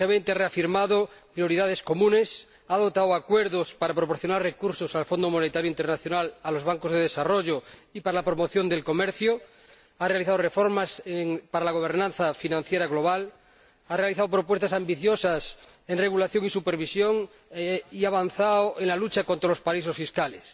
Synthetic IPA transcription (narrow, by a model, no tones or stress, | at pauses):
emẽnt̪eareafiɾmaðopɾjo̞ɾiðaðe̞sko̞mũne̞s | aðo̞t̪awakweɾðospaɾapɾop̬o̞ɾθjo̞narrekuɾsosalfo̞nd̪omonet̪aɾjoint̪eɾnaθjo̞nalalo̞zβ̞aŋkozðeðesaroʝoipaɾalapɾo̞mo̞θjond̪e̞lko̞meɾθjo | arealiθaðorefo̞ɾmaseŋpaɾalaɣ̞o̞β̞eɾnãnθafinãn̟θjeɾaɣlo̞β̞al | arealiθaðopɾo̞p̬we̞st̪asambiθjosas | enre̞ɣulaθjo̞ŋisupeɾβ̞isjoŋ | iaβ̞anθaoenlalut͡ʃakont̪ɾalospaisosfiskales